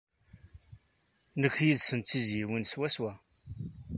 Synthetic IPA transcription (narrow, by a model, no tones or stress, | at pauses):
nəkːjiðsənt͡s̪ːizjiwinswæswæ